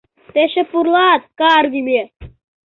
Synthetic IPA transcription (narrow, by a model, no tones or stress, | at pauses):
t̪eɕepuɾlat̪̚kaːɾɡ̪ime